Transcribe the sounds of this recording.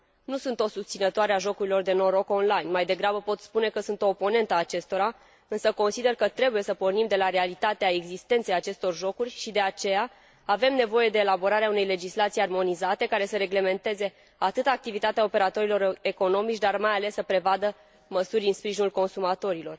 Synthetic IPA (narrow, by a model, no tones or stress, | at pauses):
nusunt̪o̞sust̪sinət̪oaɾeaʒo̞kuɾilo̞rd̪e̞noɾo̞ko̞nlajnmajd̪e̞ɡɾabəpo̞t̪spune̞kəsunt̪o̞ːpo̞ne̞nt̪əaːt͡ʃe̞st̪o̞ɾa | ɨnsəko̞nsid̪e̞rkət̪ɾe̞buje̞səpo̞rnimd̪e̞laɾealit̪at̪eae̞ɡzist̪e̞nt̪sejat͡ʃe̞st̪o̞rʒo̞kurʲʃid̪e̞at͡ʃe̞jaː | ve̞mne̞vo̞je̞d̪e̞ːlabo̞ɾaɾeaune̞jle̞d͡ʒislat̪sijarmo̞nizat̪e̞kaɾe̞səɾe̞ɡle̞me̞nt̪e̞ze̞ | at̪ɨt̪aaːk̚t̪ivit̪at̪eaope̞ɾat̪o̞ɾilo̞ɾeko̞no̞mit͡ʃʲd̪armajale̞sːəpɾe̞vad̪ə | məsurʲɨnspɾiʒinulko̞nsumat̪o̞ɾilo̞r